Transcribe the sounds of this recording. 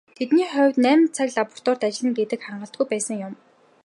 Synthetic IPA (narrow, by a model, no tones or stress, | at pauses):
t̪ʰet̪niːχœwʲt̪næːmʲnt͡sʰakɮapɔ̥r̥t̪ɔːr̥t̪at͡ɕɪ̆ɮɘ̆nɡet̪ɘ̆kχarɴɢə̆ɬt̪̚ɡujpæːsə̆ŋjʊm